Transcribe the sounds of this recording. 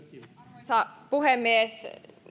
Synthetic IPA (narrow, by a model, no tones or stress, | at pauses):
sɑpuhemːies